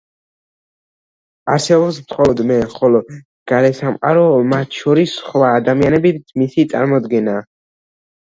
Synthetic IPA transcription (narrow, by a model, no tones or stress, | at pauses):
aɾsɛbɔbsmχɔlɔd̪mɛχɔlɔ | ɡ̥aɾɛsamqʼa̰ɾɔmat̪ʰʃɔɾisχwaːd̪amianɛbimisit̪sʼa̰ɾmɔd̪ɡɛnaː